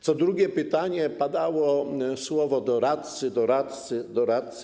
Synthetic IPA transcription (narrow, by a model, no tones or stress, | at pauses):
t̪sɔd̪ɾuɡʲjɛpɘt̪aɲɛpad̪awɔswɔvɔd̪ɔɾat̪̚t̪sɘd̪ɔɾat̪t̪sɘd̪ɔɾat̪̚t̪s